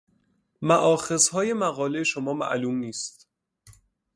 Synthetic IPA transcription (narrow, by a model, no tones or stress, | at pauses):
mæʔɒːxe̞zhɒːje̞mæɣɒːlejeʃomɒːmæ̰ʔluːmniːst̪